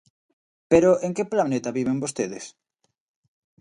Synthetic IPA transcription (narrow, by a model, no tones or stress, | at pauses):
peɾoʔeŋkeplanet̪aβiβ̞eŋbost̪eðɪs